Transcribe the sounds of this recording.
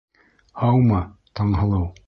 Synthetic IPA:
ɑwmɑt̪ɑɴɦɤ̆lˠɤw

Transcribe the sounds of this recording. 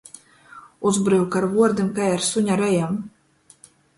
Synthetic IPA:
uzbɾɨwkaɾvuɔɾd̪ɨmkajaɾsuɲʲaɾɛjɛm

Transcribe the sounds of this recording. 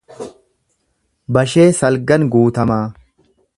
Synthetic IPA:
bɐʃe̞ːsɐlɡɐnɡuːt̪ɐmaː

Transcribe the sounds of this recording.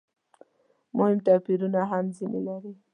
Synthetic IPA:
mʊhɪmt̪apiɾunaɦamzinelaɾi

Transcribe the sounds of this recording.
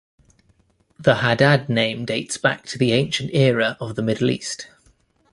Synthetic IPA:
ðəhadadⁿnẽɪ̃mdeɪtsb̥a̰k̚tʰəðiẽɪ̃nʃə̃ntɛːɹəʔəvðəmɪdˡl̩ḭˑst

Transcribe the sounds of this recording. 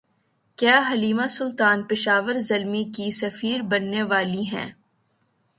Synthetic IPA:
kjaːɦɐliːmasʊlt̪aːnpɪʃaːʋəɾzɐlmikisɐfiːɾbɐnːeʋaːliɦɛ̰̃ː

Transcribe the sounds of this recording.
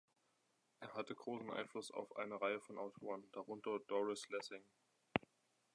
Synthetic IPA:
ʔeːɐɦatəɡʁoːsn̩ʔa̰ɪnflʊsa̰ʊfʔa̰ɪnəʁaɪəfɔnʔaʊtʰoːʁənd̥aʁʊntɐdɔʁɪslɛsɪŋ

